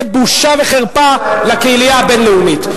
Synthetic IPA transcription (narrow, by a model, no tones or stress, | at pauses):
buʃaveχeʁpalakeilijabe̞nleumit